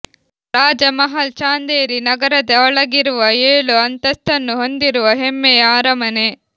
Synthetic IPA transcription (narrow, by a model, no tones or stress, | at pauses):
ɾaːd͡ʒɐmɐɦɐlt͡ʃaːnd̪eːɾinɐɡɐɾɐd̪ɐɔɭɐɡiɾuʋɐeːɭuɐnt̪ɐst̪ɐnːuɦo̞nd̪iɾuʋɐɦemːejaːɾɐmɐne